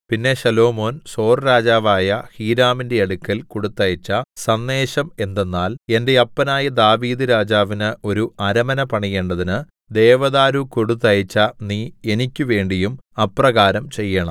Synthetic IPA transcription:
pinːe̞ɕɐlo̞ːmo̞ːnso̞ːrɾaːd͡ʑaːʋaːjɐhiːɾaːminde̞ɐɽukːɐlkoɽut̪ːɐjɐt͡ɕːɐsɐnːe̞ːɕɐme̞nd̪e̞nːaːle̞nde̞ɐpːɐnaːjɐd̪aːʋiːðɨɾaːd͡ʑaːʋinɨo̞ɾuɐɾɐmɐnɐpɐɳije̞ːɳɖɐðinɨ | d̪e̞ːʋɐðaːɾukoɽut̪ːɐjɐt͡ɕːɐniːe̞nikʲːuʋe̞ːɳɖijumɐprɐɣaːɾɐmt͡ɕe̞jːɐɳɐ̰m

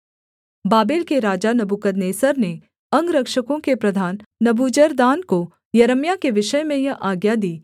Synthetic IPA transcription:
baːbeːlkeɾaːd͡ʒanɐbukəd̪neːsəɾne | ɐ̃ŋɡɾɐkʃəkõkepɾɐd̪ʱaːnːɐbuːd͡ʒəɾd̪aːnko | jɐɾəmjakeʋɪʃəjmẽjɐʔaːɡjad̪iː

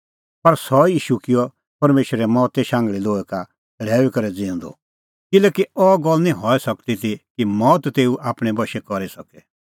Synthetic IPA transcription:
pɐɾsɔjiːʃukɪɔ | pɐɾmeːʃɾɛmɔːt̪ɛʃãːŋɡɭiloːɛka | ɽ̤ɛːʋikɐɾɛd͡zɪ̃ʊ̃nd̪ɔ̰ | kɪlɛkiɔɡɔlnĩɦɔːɛsɐkt̪it̪ikimɔːt̪t̪eːuʔaːpɽ̃ɛbɐʃɛkɔɾisɐkɛ

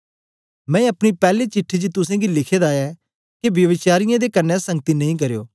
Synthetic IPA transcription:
mɛ̃ːɐpɽ̃iːpɛːleːt͡ʃɪʈʰːid͡ʒit̪ʊsẽːɡilɪkʰeːd̪aːɛː | keʋjəʋɪt͡ʃaːɾɪjãːd̪eːkənːɛːsə̃ŋɡət̪iːnɐĩːk̬əɾejo̰ː

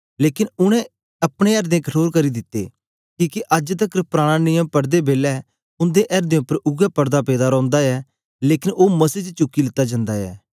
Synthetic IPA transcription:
leːkɪnʊɽ̃ɛ̃ | ɐpɽ̃ẽɛɾd̪ẽːkəʈʰoːɾkəɾid̪ɪt̪ːḛː | kiːkeʔɐd͡ʒt̪əkɾpɾaːɽ̃ãnɪjə̃mpɐɽd̪ebeːlɛː | ʊ̃nd̪eʔɛɾd̪ẽːʊpːəɾʊɡɛpəɾd̪apeːd̪aːɾɔ̃ːnd̪aːɛː | leːkɪnoːmɐsiːt͡ʃt͡ʃʊkːilɪt̪ːad͡ʒãːnd̪aːɛ̰ː

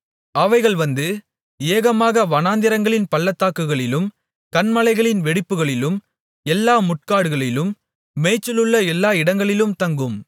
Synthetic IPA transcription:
ɐʋɐɪɣɐɭʋɐnd̪ɯ | eːɣɐmaːɣɐʋɐnaːnd̪ɪɾɐŋɡɐɭɪnpɐɭːɐt̪ːaːkːɯɣɐɭɪlɯm | kɐnmɐlɐɪɣɐɭɪnʋɛɽɪpːɯɣɐɭɪlɯm | ɛlːaːmʊʈ̚kaːɽɯɣɐɭɪlɯmː | eːt͡ʃːɪlɯɭːɐɛlːaːɪɽɐŋɡɐɭɪlɯmt̪ɐŋɡɯm

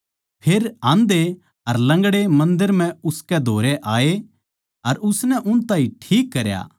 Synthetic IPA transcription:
pʰeːɾãːnd̪e | ɐɾlɐ̃ŋɡɽemɐ̃nd̪əɾm̤ɛ̃ʊskɛd̪ʱoːɾeʔaːe | ɐɾʊsnɛʔʊnt̪aːĩʈʰiːkːɐɾja̰ː

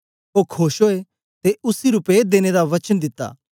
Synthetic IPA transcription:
oːkʰoːʃɦoːe | t̪eʊsiɾʊped̪eːned̪aʋɐt͡ʃənd̪ɪt̪ːa̰ː

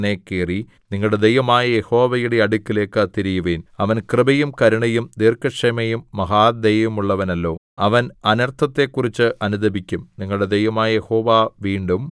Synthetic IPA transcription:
ne̞ːkːeːri | niŋːɐɭɽe̞d̪ejʋɐmaːjɐjeho̞ːʋɐjuɽeɐɽukʲːile̞ːkːɐt̪ːiɾijuʋeːnɐʋɐnkrɨbɐjumkɐɾuɳɐjumd̪iːrkɐʂɐmɐjumːɐɦaːd̪ejʋɐmuɭːɐʋɐnɐlːo̞ː | ɐʋɐnɐnɐrt̪ʰɐt̪ːe̞kːurit͡ɕːɨʔɐnud̪ɐbikʲːumniŋːɐɭɽe̞d̪ejʋɐmaːjɐjeho̞ːʋaːʋiːɳɖum

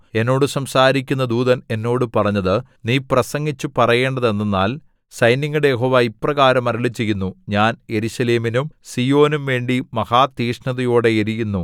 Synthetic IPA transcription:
e̞nːo̞ːɽɨsɐmsaːɾikʲːunːɐd̪uːðɐne̞nːo̞ːɽɨpɐrɐɲːɐðɨ | niːprɐsɐŋɡit͡ɕːupɐrɐje̞ːɳɖɐðe̞nːenːaːl | sɐjniŋːuɽejeɦo̞ːʋaːiprɐɣaːɾɐmɐɾɐɭit͡ɕːijunːuɲaːnje̞ɾuɕɐleːminumsijo̞ːnumʋe̞ːɳɖimɐhaːt̪iːʂnɐðɐjoːɽe̞eɾijunːu

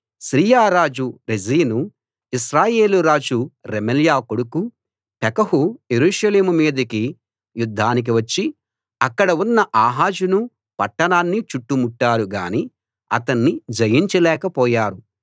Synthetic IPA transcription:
ʃɾiːjaːɾaːd͡ʒuɾed͡ʒiːnu | isɾaːje̞ːluɾaːd͡ʒuɾemeljaːkoɽuku | pɛkɐhuje̞ɾuːʃɐleːmumiːd̪ɐki | jud̪ʱːaːnik̬iʋɐt͡ʃːi | ɐkːɐɽɐunːɐʔaːɦaːd͡ʒunu | pɐʈːɐnaːnːit͡ʃuʈːumuʈːaːɾuɡa̰ːni | ɐ̰t̪ɐnːid͡ʒɐjiɲt͡ʃɐlɛːkɐpɔːjaːɾu

